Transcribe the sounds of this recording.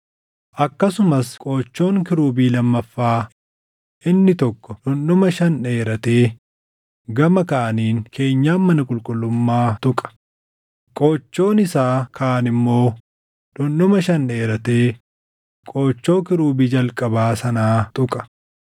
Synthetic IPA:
ʔɐkːɐsʊmɐskʼo̞ːt͡ʃːo̞ːŋkɪɾuːbiːlɐmːɐfːaː | ʔɪnːɪt̪ɔkːɔᶑʊnːʊmɐʃɐnᶑe̞ːɾɐt̪e̞ː | ɡɐmɐkaːniːŋkʰe̞ːɲːaːmːɐnɐkʼʊlkʼʊlːʊmːaːt̪ʊkʼɐ̥ | kʼoːt͡ʃːo̞ːnɪsaːkʰaːnɪmːo̞ː | ᶑʊnʊmɐʃɐne̞ːɾɐt̪e̞ː | kʼo̞ːt͡ʃːo̞ːkɪɾuːbiːd͡ʒɐlkʼɐbaːsɐnaːt̪ʼʊkʼɐ̥

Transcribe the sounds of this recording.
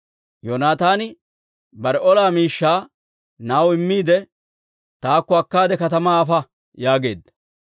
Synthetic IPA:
jonaːt̪aːnɪ | bɐɾɛʔɔlaːmiːʃːaː | naːwɪmːiːd̪ɛ | t̪aːkːɔɐkːaːd̪ɛkɐt̪ɐmaːfɐ | jaːɡe̞̰ːd̪ɐ

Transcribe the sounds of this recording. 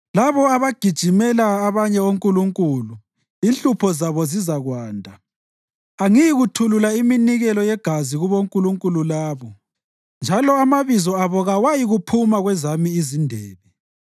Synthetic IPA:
laβɔaβaɡ̥ʱid̥ʒ̥ʱimɛlaːβaɲɛoŋkʼuluŋkʼulu | inɬupʰɔzaβɔzizaɣwaːndʱa | aŋijiɣutʰululaiminiɣɛlɔjɛɡ̥ʱaziɣuβoŋkʼuluŋkʼululaːβɔ | nd͡ʒʱalɔamaβizɔaβɔɣawajiɣupʰumaɣwɛzamiizindʱɛːβɛ

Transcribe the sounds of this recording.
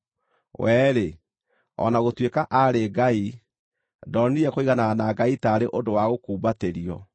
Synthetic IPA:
wɛːɾe | ɔ̰naɣotwekaʔaɾeɡai | dɔniɾɛkoiɣananaɡaitaɾeʔondowaɣokuːbateɾiɔ

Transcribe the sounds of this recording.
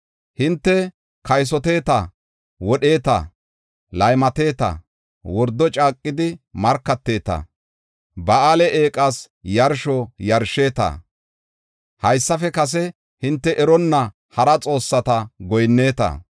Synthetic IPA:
hɪnt̪ːɛ | kɐjs̬ɔt̪e̞ːt̪ɐ | wɔɗe̞ːt̪ɐ̰ | lɐjmɐt̪e̞ːt̪ɐ̰ | wɔɾd̪ːɔt͡ʃʼaːkʼːɪd̪ɪmɐɾkːɐt̪ːe̞ːt̪ɐ̰ | bɐʔalɛʔeːkʼɐs | jɐɾʃɔjɐɾʃeːt̪ɐ̰ | hɐjsːɐfɛkɐs̬ɛ | hɪnt̪ːɛʔɛɾɔnːɐ | hɐɾɐt͡sʼo̞ːsːɐt̪ɐɡɔjnːe̞ːt̪ɐ̰

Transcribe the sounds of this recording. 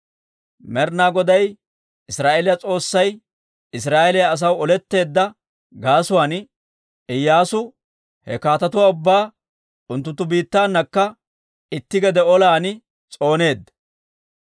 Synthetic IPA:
mɛɾnaːɡɔd̪ɐj | ɪsɾaːʔɛlɪjɐt͡sʼo̞ːsːɐj | ɪs̬ɾaːʔɛlɪjɐːs̬ɐwɔlɛt̪ːe̞ːd̪ːɐ | ɡaːsʊwaːn | ɪjːaːsʊ | hɛkaːt̪ɐt̪ʊwaːʊbːaː | ʊnt̪ːʊnt̪ːʊbiːt̪ːaːnːɐkːɐ | ɪt̪ːɪɡɛd̪ɛɔlaːn | t͡sʼo̞ːne̞ːd̪ːɐ

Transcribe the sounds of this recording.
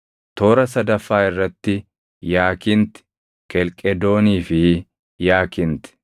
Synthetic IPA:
t̪o̞ːɾɐsɐd̪ɐfːaːɪrːɐt̪ːɪ | jaːkɪnt̪ɪ̥ | kɛlkʼɛd̪o̞ːniːfɪ | jaːkɪnt̪ɪ̥

